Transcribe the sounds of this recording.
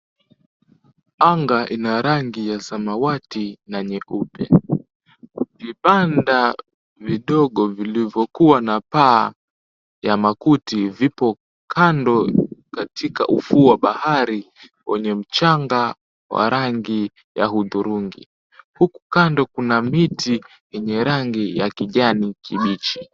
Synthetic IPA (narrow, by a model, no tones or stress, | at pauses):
aŋɡaʔinaɾaŋɡijasamawatinaɲɛʔupɛ | vipanda | viɗɔɠɔvilivjɔkuwanapaː | jamakutivipɔ | kʰandɔkatʰika̰ʔṵfuːwaɓahaɾi | wɛɲɛm̩t͡ʃaŋɡa | wa̰ɾʔaŋɡi | ja̰huðuɾuŋɡḭ | huku̥kandɔkunamiti | jɛɲɛɾaŋɡijakiʄanikʰiɓit͡ʃi̥